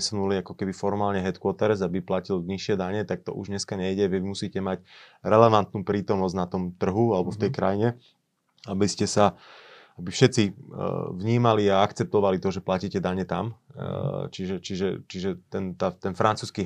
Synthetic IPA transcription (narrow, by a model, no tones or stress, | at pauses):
sunuliakɔkɛbifɔɾmaːlɲɛɦɛt̪kʊɔt̪ɛɾɛzabiplacilɲiʃɪɛd̪aɲɛt̪ak̚t̪ɔ̰ʔuʒɲɛskaɲɛiɟɛʋiimusiːcɛmacɾɛlɛʋant̪nuːpɾiːt̪ɔmnɔzɟnat̪ɔmt̪r̩ɦualɛbɔft̪ɛjkɾajiɲɛ | abiscɛsa | abifʃɛt̪t͡si | vɲiːmaliaakt͡sɛp̚t̪ɔʋalit̪ɔʒɛplaciːcɛd̪aɲɛt̪am | t͡ʃiʒɛt͡ʃiʒɛt͡ʃiʒɛt̪ɛnt̪at̪ɛnfɾant͡suːski